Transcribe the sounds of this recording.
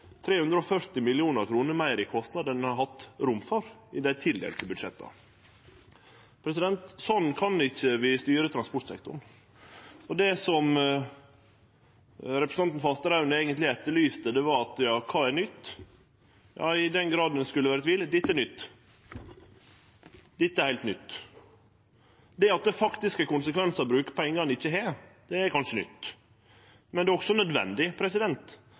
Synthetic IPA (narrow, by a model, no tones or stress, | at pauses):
t̪ʰɾeːhʉnd̪ɾəɔfœɾt̪ɪmɪlɪuːnəɾkʰɾuːnəɾmæɪɾɪkʰɔst̪nɑd̪ənhɑɾɦɑt̪ːɾʊmfɔɾɪd̪æt̪ʰɪld̪ḛlt̪ʰɪlbʉd̪ʂɛt̪ːɑ̰ | pʰɾɛsɪd̪ɛnt̪sɔnːkʰɑnɪçəʋɪst̪yːɾət̪ɾɑnspɔʈsɛ̰k̚t̪ʊ̰ɳ | ɔd̪ɛsɔm | ɾɛpɾəsn̩ɑnt̪n̩fɑst̪əɾɑʉnəɛːɡənt̪lɪɛt̪ːəɭyːst̪əd̪ɛʋɑɾɑt̪jɑːkʰɑːæɾnʏt̪ː | jʔɑ̰ːɪd̪ɛnɡɾɑːd̪ənskʉlːəʋæːɾət̪ʋiːlːd̪ɪt̪ːæɾnʏt̪ː | d̪ɪt̪ːɛæɾhæɪt̪nʏt̪ː | d̪ɛɾɑt̪̚d̪ɛfɑkt̪ɪskəkʊnsəkʰʋɛnsəɾbɾʉːkə̥pʰɔɛɪŋɡɑnɪçːəɦeːɾd̪̥ɛæɾkʰɑnʂənʏ̰t̪ː | mɛnd̪ɛːɔksɔnœd̪ʋɛ̰nd̪ɪpʰɾɛsɪd̪ɛnt̪